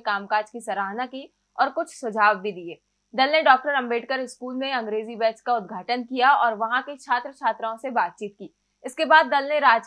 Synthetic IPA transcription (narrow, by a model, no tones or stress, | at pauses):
kaːmkaːd͡ʒkisɐɾaːɦnaki | ɔːɾkʊt͡ʃʰsʊd͡ʒʱaːʋbʱid̪ieː | d̪ɐlneɖɔːk̚ʈəɾɐ̃mbeːʈkəɾɪskuːlmẽɐ̃ŋɡɾeːzibɛːt͡ʃkaʊd̪ɡʱaːʈənkijaɔːɾʋɐɦãket͡ʃʰaːt̪ɾət͡ʃʰaːt̪ɾaõsebaːt̪̚t͡ʃiːt̪̚kiː | ɪskebaːd̪ːɐlneɾaːd͡ʒ